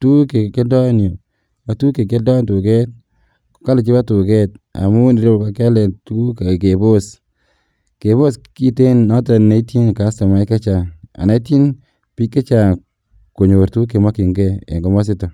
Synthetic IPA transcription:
tu˦ke˨ke˦dɔ˦njo˨ | a˨tu˦ke˨ke˦dɔ˦ntu˨kɛ˦t̚ | ko̥˨ka˦lɪ˨t͡ʃi˦ba˦tu˨kɛ˦ta̰˨mʊ˦ni˨ɾe˦bka˦ka˦lɛ˨tu˦ke˨ke˨bo˦s | ke˨bo˦ski˦te˦nɔ˦ta˨na˨˦i˦ti˦nka˦sa˨ma˨˦ke˦t͡ʃa˨a̰˨na˨i˦ti˦n | pi˦kːe˦t͡ʃa˨ | ko˨ɲo˨ɾtu˦k̬e˨ma˦ki˨ŋɡɛ˦ḛ˨ŋɡɔ˨mɔ˦s̬ɪ˦tɔ˨

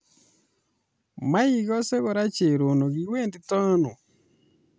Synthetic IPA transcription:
ma˦i˨ɣɔ˦sɛ˦ɣɔ˨ɾa˦t͡ʃe˨ɾo˨no˨ɣi˨˦we˦ndi˨tɔ˦nɔ˨

